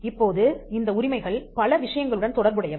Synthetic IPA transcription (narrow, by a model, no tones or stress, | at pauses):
ɪpːoːðɯɪnd̪ɐʊɾɪmɐɪɣɐɭpɐlɐʋɪʂɐjɐŋɡɐɭɯɽɐnt̪ɔɽɐɾbɯɽɐjɐ